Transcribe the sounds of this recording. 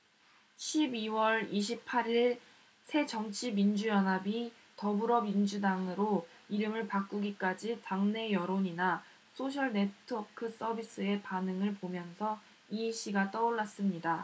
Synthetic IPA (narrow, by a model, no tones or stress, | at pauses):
ɕʰibiwʌɾiɕʰipʰaɾiɭ | sʰe̞d͡ʑʌŋt͡ɕʰimind͡ʑujʌnɦabi | tʌbuɾʌmind͡ʑudaŋɯɾo | iɾɯmɯɭpak͈uɡik͈ad͡ʑitaŋne̞jʌɾoɲina | sʰoɕ̬ʰʌɭne̞tʰɯʌkʰɯs͈ʌbis͈ʰɯe̞panɯŋɯɭpomjʌnsʰʌ | iɕ͈ʰiɡat͈ʌoɭːas͈ɯmɲida